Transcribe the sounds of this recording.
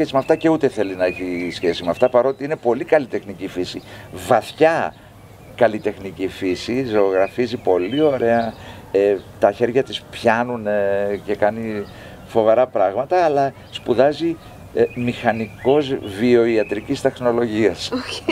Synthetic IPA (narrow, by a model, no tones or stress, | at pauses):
esimɐft̪ɐce̞ut̪e̞θe̞linɐeçisçesimeɐft̪ɐpɐɾo̞t̪iine̞po̞likɐlit̪e̞xnicifisivɐθçɐ | kɐlit̪e̞xnicifisizo̞ːɣɾɐfizipo̞lio̞ɾe̞ɐ | et̪ɐçe̞ɾʝɐt̪ispçɐnunce̞kɐni | fo̞veɾɐpɾɐɣmɐt̪ɐːlɐ | spuðɐzi | mixɐniko̞zvio̞iɐt̪ɾicist̪e̞xno̞lo̞ʝiɐs